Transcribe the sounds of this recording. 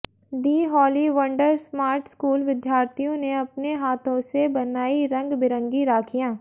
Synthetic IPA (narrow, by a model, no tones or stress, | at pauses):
d̪iːɦɔːliʋɐ̃ɳɖəɾsmaːɾʈskuːlʋɪd̪jaːɾt̪ʰijõneɐpneɦaːt̪ʰõsebɐnaːiɾɐ̃ŋɡbɪɾə̃ŋɡiɾaːkʰijãː